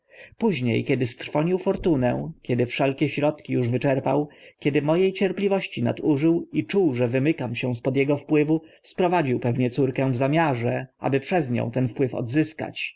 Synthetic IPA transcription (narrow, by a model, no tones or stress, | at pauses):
puʑɲḛjkʲɛd̪ɘst̪ɾfɔɲiwfɔɾt̪unɛ̰̃kʲɛd̪ɘfʂɛlkʲɛɕɾɔt̪kʲijuʐvɘt͡ʂɛɾpa̰wkʲɛd̪ɘmɔjejt͡ɕɛɾplʲivɔɕt͡ɕina̰t̪uʐɘwit͡ʂuwʐɛvɘmɘkamɕɛw̃spɔd̪jɛɡɔfpwɘvuspɾɔvad͡ʑiwpɛvɲɛt̪suɾkɛw̃vzamʲjaʐɛʔa̰bɘpʂɛzɲɔ̰̃w̃t̪ɛnfpwɘfɔ̰d̪zɘska̰t͡ɕ